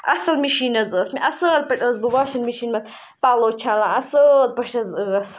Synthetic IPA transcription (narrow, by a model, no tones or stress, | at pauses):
ʔɐsɐlmiʃiːnɐzɨːsmiʔɐsɐːlpɐʈʼəzbɨwaːʃɐnmiʃiːnmɐt̪ | paːloːt͡ʃʰaːlãːɐsəl̚pɐʃɐzəɐs